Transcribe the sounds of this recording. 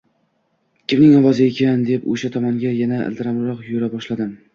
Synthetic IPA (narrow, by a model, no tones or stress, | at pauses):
kʲʰɪmnɪŋɒwɒzɪekʲʰand̪e̞poʃat̪ʰɒmɒŋɡʲajanaɪ̰lt̪ɪɾamɾɒqjoɾabɒʃlad̪ɪm